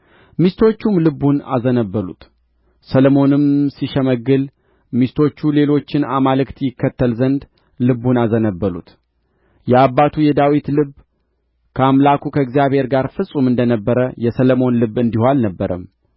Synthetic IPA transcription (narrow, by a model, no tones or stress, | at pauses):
mist̪ʰo̞t͡ʃːumlɨbːuna̰zənəbːəlṵt̪ | sələmo̞nɨmsiʃɛməɡːɨl | mist̪ʰo̞t͡ʃːule̞lo̞t͡ʃːɪnamalɨkt̪jɪkːət̪ːəlzənd̪ | lɨbːunazənəbːəlṵt̪ | jɛabːat̪ʰujɛd̪awit̪lɨb | kʰəamlakʰukʰəɨɡzijaβhe̞ɾɡaɾfɨsʼumɨnd̪ənəbːəɾəjɛsələmo̞nlɨbːɨnd̪ihoalnəbːəɾʔəm